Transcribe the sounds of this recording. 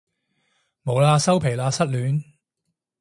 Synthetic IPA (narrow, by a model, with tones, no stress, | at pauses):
mo˨˧wlaː˧sɐ˥wpʰe˨˩jlaː˧sɐ˥t̚lyː˨˥n